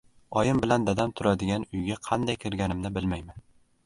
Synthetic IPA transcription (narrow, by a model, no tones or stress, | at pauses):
ɒjɪmbɪland̪ad̪amt̪ʰʊɾad̪ɪɡʲanʊjɡʲaqʰɑnd̪ajkʲʰɪɾɡʲanɪmnɪbɪlmajman